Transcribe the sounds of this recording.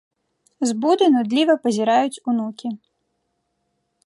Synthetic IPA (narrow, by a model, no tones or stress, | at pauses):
zbud̪ɨnud̪lʲivɐpɐzʲiɾajut͡sʲunukʲi